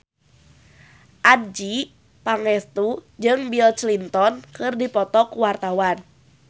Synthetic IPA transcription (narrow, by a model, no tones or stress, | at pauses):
ʔad̚d͡ʒi | paŋɛst̪ud͡ʒɨŋbilt͡ʃlint̪ɔnkɨrdipɔt̪ɔkuwart̪awan